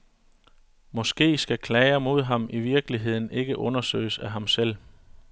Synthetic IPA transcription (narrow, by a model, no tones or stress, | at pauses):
mɒ̽sɡ̥e̝̰ːsɡ̥ækʰlɛːɪɐmo̝ð̞̰ˠɦɑ̈miʋiɐɡ̥əliɦe̝ð̞̰ˠn̩e̝ɡ̥əʔɔ̽nɐsø̰ːɪəsæɦɑ̈msel̰